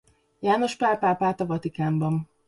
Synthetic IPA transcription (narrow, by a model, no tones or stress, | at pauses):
jaːno̞ʃpaːrpaːpaːt̪ɒvɒt̪ikaːmbɒn